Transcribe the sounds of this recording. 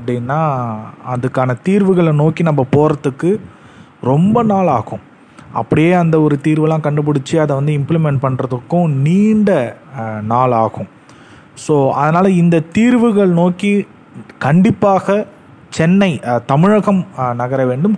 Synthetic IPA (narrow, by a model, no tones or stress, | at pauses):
ɐpːɐɽinːaːɐðɯkːaːnɐt̪iːɾʋɯɣɐɭnoːkinɐmːɐpoːɾɐðɯkːɯ | ɾɔmbɐnaːɭaːɣʊ̃ | ɐ̰pːɐɽɪjeːɐnd̪ɐɔɾɯt̪iːɾʋɯlãːkɐɳɖɯp̬ɐɽɪt͡ʃːɯɐðɐʋɐnd̪ɯɪmplɪmɛɳʈpɐɳːrɐðɯkːʊ̃niːɳɖɐnaːɭaːɣʊ̃ | soːɐðɐnaːlɐɪnd̪ɐt̪iːɾʋɯɣɐɭnoːki | kɐɳɖɪpːaːɣɐ | t͡ʃɛnːɐɪt̪ɐmɪɻɐɣɐmnɐɣɐɾɐʋeːɳɖɯm